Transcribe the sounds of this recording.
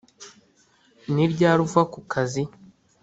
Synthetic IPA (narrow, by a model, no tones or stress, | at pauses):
niɾɟaːɾuvakukʰazi